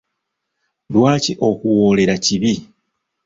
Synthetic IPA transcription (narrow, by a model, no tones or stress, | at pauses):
lwaːciʔo̞kuwo̞ːle̞ɾaciβi